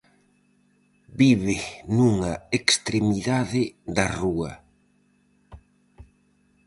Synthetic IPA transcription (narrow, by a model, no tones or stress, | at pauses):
biβenuŋɐekst̪ɾemiðaðɪðɐruɐ